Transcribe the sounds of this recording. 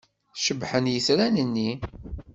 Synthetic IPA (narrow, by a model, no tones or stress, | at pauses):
ʃəbħənjəθɾænənːi